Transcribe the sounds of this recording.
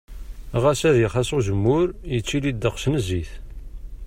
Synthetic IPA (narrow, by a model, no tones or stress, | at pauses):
ʁæsæðjəχæsoʒəmːʊɾjət͡sːilid̪ːəqʃnəziθ